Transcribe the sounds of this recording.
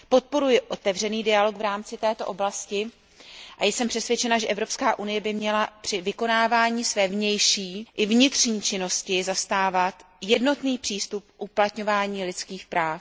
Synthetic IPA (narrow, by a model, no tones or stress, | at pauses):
po̞t̪̚po̞ɾujɪʔo̞t̪ɛvr̝ɛniːdɪalo̞kvɾaːmt͡sɪt̪ɛːt̪o̞ʔo̞blascɪ | ʔajɛsɛmpr̥ɛsvjɛt͡ʃɛnaʒɛʔɛvɾo̞pskaːʔunɪjɛbɪmɲɛlapr̥ɪvɪko̞naːvaːɲiːsvɛːvɲɛjʃiːʔɪvɲɪt̪r̥ɲiːt͡ʃɪno̞scɪzast̪aːvat̪ | jɛdno̞t̪niːpr̥iːst̪up̚ʔuplat̪ɲo̞vaːɲiːlɪt͡skiːxpɾaːf